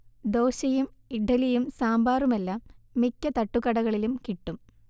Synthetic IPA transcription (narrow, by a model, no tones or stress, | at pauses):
d̪o̞ːɕɐjumiɖɐlijumsaːmbaːrumɐlːɐmikʲːɐt̪ɐʈːukːɐɽɐɣɐɭilumkiʈːum